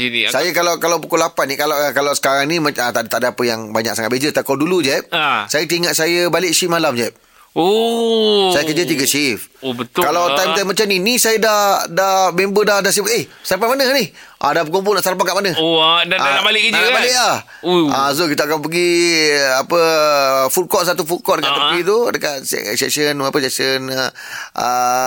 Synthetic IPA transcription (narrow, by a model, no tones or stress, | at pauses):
sajəkalawkalawpukolapanikalakalawsə̥kaɾaŋnĩmaat̪aʔt̪aʔdəapəjaŋbaɲa̰k̚saŋat̪̚bed͡ʒət̪akawdulud͡ʒap̚sajət̪iŋaʔ̪̚sajəbalɪʔʃimalamd͡ʒap̚ | o | sajəkəd͡ʒət̪̬iɡət͡ʃifobət̪kalawt̪ajmt̪ajmːat͡ʃaminisajədahdamembədahdahs̬ibat̪ehsaɾapamanənih | ʔa̰dahpəɡɔmp̬unaʔsaɾap̬akaʔmanə̃aaaʔbalɪʔkəd͡ʒəabalɪʔlah | as̬okit̪aakanp̬əɡiapəfulkɔʔsat̪̬ufulkɔʔdəkat̪ːəpit̪udəkat̪̚ssɛ̰ksənapəseʔsənə | ə̰